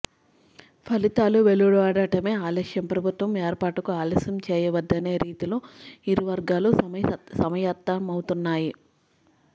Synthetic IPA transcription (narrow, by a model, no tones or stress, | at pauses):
pʰɐlit̪aːluʋeluɽuɐːɽɐʈɐme̞ːaːlɐʂjɐmpɾɐbʱut̪ʋɐmeːɾpaːʈɐkuaːlɐsjɐmt͡ʃɛːjɐʋɐd̪ːɐne̞ːɾiːt̪iloːiɾiʋɐɾɡaːlusɐmɐjɐt̪ːɐmɐwt̪unːaːji